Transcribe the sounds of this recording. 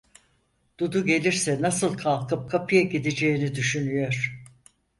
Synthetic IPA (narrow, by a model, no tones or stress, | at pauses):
d̪̥ud̪uɟe̞lʲiɾsɛnasɯlˠkʰalˠkɯp̚kʰapʰijaɟid̪ed͡ʒe̞jinid̪yʃynyjo̞ɾ̥